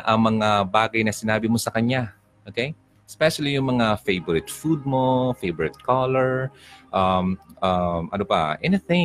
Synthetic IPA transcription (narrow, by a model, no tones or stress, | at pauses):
ʔɐŋmɐŋabaːɡɐjnɐsɪnaːbɪmo̞sɐkɐɲa | ʔokej | spɛʃɐlijʊŋmɐŋafejboɾɪt̪fud̪̚mo̞fejbɔɹɪt̪̚kʰalɛɹʔɐmʔɐmʔɐ̰nopɐ̰ʔɛnɪθɪ̃